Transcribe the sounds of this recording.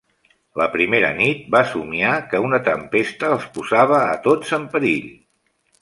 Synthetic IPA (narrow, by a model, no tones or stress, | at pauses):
ləpɾimeɾə̰nit̪̚basumiakəunət̪əmpest̪əːlˠspuzaβ̞ə̰ːt̪ozəmpəɾiʎ